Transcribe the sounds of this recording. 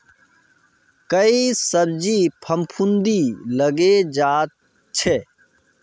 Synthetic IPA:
kəiːsəbd͡ʒiːpʰəmpʰund̪iːləɡeːd͡ʒaːt̪̚ | t͡ʃʰeː

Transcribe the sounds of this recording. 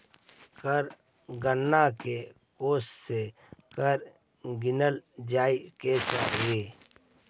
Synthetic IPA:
kəɾ | ɡənːake | koːsse | kəɾ | ɡɪnəld͡ʒaːiket͡ʃaːɾieː

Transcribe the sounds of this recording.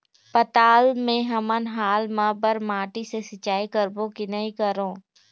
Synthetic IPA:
pɐt̪aːlmẽɦɐmənɦaːlmɐbəɾmaːʈisesɪt͡ʃaːikəɾbõkinɐɦĩkəɾõː

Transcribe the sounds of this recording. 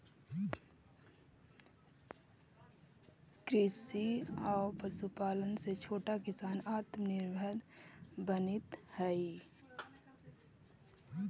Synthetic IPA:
kɾɪsiɔːpəsupaːlənset͡ʃʰoːʈakɪsaːnaːt̪mnɪɾbʱəɾbənɪt̪hɛi

